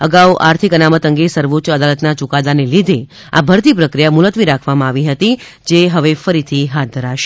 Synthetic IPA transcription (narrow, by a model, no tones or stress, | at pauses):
əɡauʔaɾt̪ʰikənamət̪əŋɡesəɾʋutːt͡ʃəd̪alət̪nat͡ʃukad̪anelid̪ʱe | a̰bʱəɾt̪ipɾəkɾijamʊlət̪ʋiɾakʰʋamãaʋiɦət̪i | d͡ʒeɦəʋefəɾit̪ʰiɦat̪̚d̪ʱəɾaʃe̥